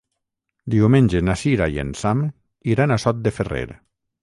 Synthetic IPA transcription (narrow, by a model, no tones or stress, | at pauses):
d̪iwmenʲd͡ʒenasiɾajḛnsam | iɾanasɔt̪̚d̪eferḛɾ